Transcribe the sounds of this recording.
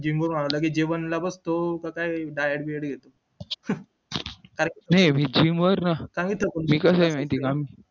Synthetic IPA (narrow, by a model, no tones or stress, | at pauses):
d͡ʑimʋəɾm̤aɽ̃alək̬id͡ʑeʋənlabəst̪okakaiɖajəɽbieɽɡʱet̪o | kaɾenajmiːd͡ʑiːmʋəɾnasãŋɡit̪ʰːəkunmiːkəs̬ajmaĩt̪iːɡamiː